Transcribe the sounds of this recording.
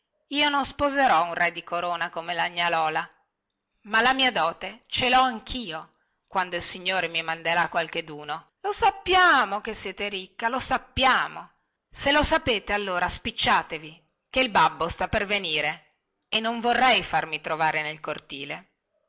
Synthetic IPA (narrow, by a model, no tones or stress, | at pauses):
iːononspozeɾɔunrɛd̪ikoɾoːnakomelaɲːalɔːla | malamiːad̪ɔːt̪et͡ʃelɔaŋkʰiːo | kwand̪oilsiɲːoːɾemimand̪eɾakwalk̟ed̪uːno | losapːjaːmokesːjɛːt̪eɾikːalosapːjaːmo | selosapeːt̪ealːoːɾaspit͡ʃːaːt̪evi | keilbabːost̪apːerveniːɾe | enːoɱvorːɛjfarmit̪ɾovaːɾenelkort̪ḭːle